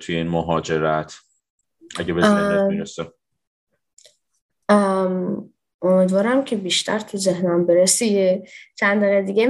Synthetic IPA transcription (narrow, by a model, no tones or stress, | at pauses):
t̪ʰuje̞inmoɦɒːd͡ʒe̞ɾæt̪ʰ | ʔæɟebeziɾese | omiːd̪vɒːɾæmcʰe̞biːʃt̪ʰæ̰ɾt̪ʰuzehnæmbeɾesijt͡ʃʰænd̪ɒɣed̪iːɡe